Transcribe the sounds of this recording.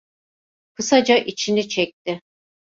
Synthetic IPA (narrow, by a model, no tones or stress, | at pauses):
kʰɯsad͡ʒaʔit͡ʃʰinit͡ʃʰɛc̚t̪ɪ